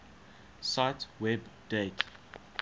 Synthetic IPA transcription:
saɪtwɛbdet

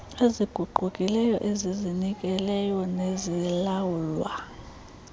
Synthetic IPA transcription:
eziɡ̥ʱuɡ͡ǃʱukʼilɛjɔʔezizinik̬ʼɛlɛjɔnezilawulwa

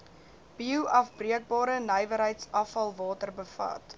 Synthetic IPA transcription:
b̥iuʔɐfbriək̚bɑːɾənəjvəɾɦəjtsɐfɐlˠvɑːtərbəfɐ̰t

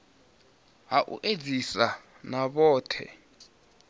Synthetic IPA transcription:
ɦaʔṵʔe̥d͡zʱisa | naɓɔːtʰɛ̰

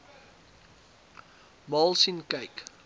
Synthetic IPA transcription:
mɑːlˠsinkɐjk

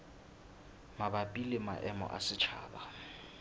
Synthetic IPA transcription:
mabapʼilɛma̰ʔɛmɔ̰ʔa̰sɪt͡ʃʰa̰ːɓa

